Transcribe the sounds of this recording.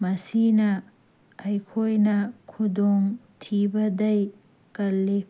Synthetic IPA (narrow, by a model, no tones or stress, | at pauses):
mɐsinɐ | ɐjkʰojnɐkʰudɔŋtʰibɐdɐj | kɐlːe